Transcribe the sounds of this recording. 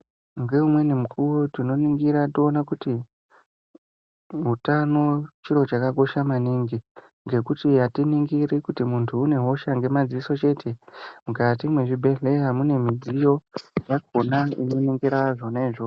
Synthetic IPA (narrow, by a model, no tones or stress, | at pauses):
ŋɡe̞umwe̞nimukʰurotino̞niŋɡiɾationakuti | ɦutano̞t͡ʃiɾo̞t͡ʃakako̞ʃamaniŋɡi | ŋɡe̞kutijatiniŋɡiɾikutimuntʰuːne̞ɦo̞ʃaŋɡe̞mad͡ziiso̞t͡ʃe̞tʰe̞mukatimwe̞ʐibʱe̞ɮe̞ɦamune̞mid͡zijo̞jak̚onaḭno̞neŋɡeɾaaʐo̞naiʐo